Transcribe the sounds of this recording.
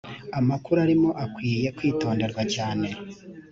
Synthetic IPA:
amakuɾuaɾimo̞ʔakwiːje̞kwiːto̞ːnde̞ɾɡwacaːne̞

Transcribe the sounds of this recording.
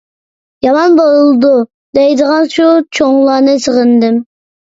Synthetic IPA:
jɑmɑnbolˠulˠd̪u | d̪ɛjd̪əʁɑnʃut͡ʃʰoŋlˠɑːnɨsəʁənd̪ɪm

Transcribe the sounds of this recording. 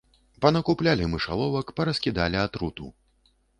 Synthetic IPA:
pɐnɐkuplʲalʲimɨʂa̰lˠɔvɐkpɐɾɐsʲkʲid̪alʲiat̪ɾut̪ṵ

